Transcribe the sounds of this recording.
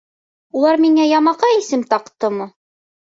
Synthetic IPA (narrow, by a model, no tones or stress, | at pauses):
ulˠɑɾmiŋæjɑmɑqɑisɘmt̪ɑqt̪ɤmɤ